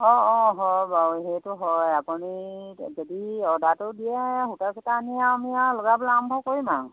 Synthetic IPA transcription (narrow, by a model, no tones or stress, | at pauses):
ɔ̃ɔ̃ɦɔjbaɦejtʊɦɔjapunizɔdiɔdatʊdijɛɦutasɛtaːnijamialɔɡabɔlaambʱɔkoɹima